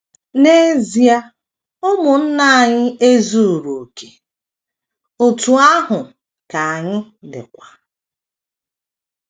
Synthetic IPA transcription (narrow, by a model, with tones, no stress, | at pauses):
ne˦zi˨a˦ | ʊ˦mʊ˨n̩˦na˦a˨ɲɪ˦e˦zu˦˨ɾu˨ke˨ | o˨tu˨a˦ɦʊ˨ | ka˨a˨ɲɪ˦ | dɪ̰˨kʷa˨